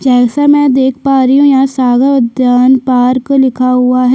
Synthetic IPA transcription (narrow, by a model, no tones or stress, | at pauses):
d͡ʒɛːsamɛ̃d̪eːkʰpaːɾiɦũjasaːɡəɾɐd̪jaːnpaːɾkolɪkʰaɦʊaɦɛ